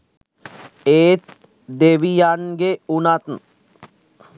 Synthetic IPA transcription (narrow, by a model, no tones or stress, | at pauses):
eːt̪ | d̪eʋijanɡeunat̪n̩